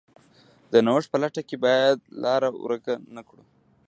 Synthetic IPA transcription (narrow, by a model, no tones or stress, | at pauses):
d̪̥ənawəʂ̚pəlaʈakebɑjad̪̚lɑɾaw̰ɾəkanakɽu